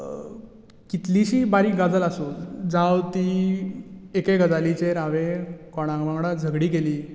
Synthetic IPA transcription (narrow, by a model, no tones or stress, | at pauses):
kit̪liɕiːbaɾiːɡad͡zəlasod͡zawt̪iː | ekeɡəd͡zalit͡ɕeɾaʋekɔɽ̃ãŋɡʋãŋɡɽad͡zʱəɡɽiːɡeliː